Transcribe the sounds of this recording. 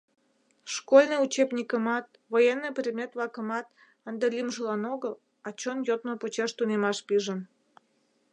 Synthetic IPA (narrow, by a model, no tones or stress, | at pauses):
ʃkolʲnɨjut͡ɕebnʲikəmɑt̪̚ | vojenːɨjprʲed̪mʲet̪βlɑkəmɑt̪ | ənd̪elʲimʒəlɑnoɣəl | ɑt͡ɕonjot̪̚nopot͡ɕeʃt̪unemɑʃpiʒən